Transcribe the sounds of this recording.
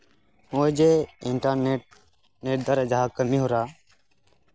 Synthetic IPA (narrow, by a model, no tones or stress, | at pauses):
oːd͡ʒeːɪɳʈaneʈ̚ | neːʈ̚d̪əɾəd͡ʒaɦakəmiɦoɾaː